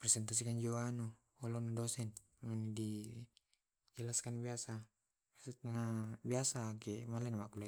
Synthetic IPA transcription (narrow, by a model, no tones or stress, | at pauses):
prɛsɛnt̪as̬ikand͡ʒowanu | olonadosɛn | manidi | d͡ʒɛlaskanbiasa | asut̪̚anabiasakɛmalɛnamakula